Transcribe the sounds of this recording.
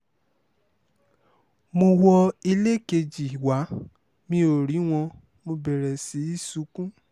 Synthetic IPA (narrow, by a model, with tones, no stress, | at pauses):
mo˧wɔ˧i˧le˦ke˧d͡ʒi˨wa˨˦ | mĩ˧o˨ɾi˨˦w̃ɔ̃˧ | mo˧bɛ˨ɾɛ˨si˨˦i˦su˨˧˦kũ˦